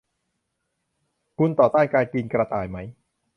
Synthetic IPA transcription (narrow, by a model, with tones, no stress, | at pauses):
ku˧˥˨nt̪ɔː˨˩t̪aː˥˩nkaː˧jkiː˧nkɾa˧t̪aː˧˩jma˦˥j